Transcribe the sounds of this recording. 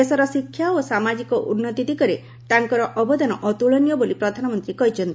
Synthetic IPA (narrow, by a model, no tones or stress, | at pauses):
esɔɾɔsikʰːjaosamad͡ʒikɔʔunːɔt̪id̪ikɔɾe | t̪aŋkɔɾɔʔɔbɔd̪anɔʔɔt̪uɭɔnijɔbolipɾɔd̪ʱanɔmɔnt̪ɾikɔɦit͡ʃʰɔnt̪i